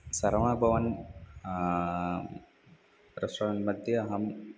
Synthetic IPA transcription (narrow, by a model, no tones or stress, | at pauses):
sɐɾɐmãːbʱɐʋɐn | ɾɐsɐnmɐd̪ʱjɐɐɦɐm